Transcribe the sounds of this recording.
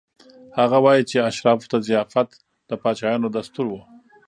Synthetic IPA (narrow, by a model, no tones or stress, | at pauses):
haɣawɑjit͡ʃeaʃɾɑft̪azijɑfat̪ | d̪̥əpɑt͡ʃɑjɑnod̪ast̪uɾwə